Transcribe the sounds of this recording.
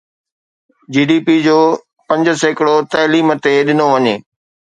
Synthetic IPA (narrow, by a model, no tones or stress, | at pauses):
d͡ʑiːɖiːpid͡ʑoː | pɐ̃ɲd͡ʑə̆səɪkɪɽot̪ɐːliːmt̪eɗɪnoʋɐɲeː